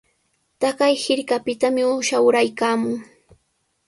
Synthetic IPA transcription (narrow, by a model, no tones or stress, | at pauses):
t̪akajhɪɾkapɪt̪amɪʊʃawɾajkaːmʊŋ